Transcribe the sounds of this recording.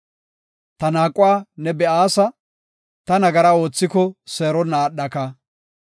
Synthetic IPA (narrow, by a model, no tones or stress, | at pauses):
t̪ɐnaːkʼːʊwaːnɛbɛʔaːsɐ | t̪ɐnɐɡɐɾɐo̞ːt͡sːɪkɔseːɾɔnaːɗːɐkɐ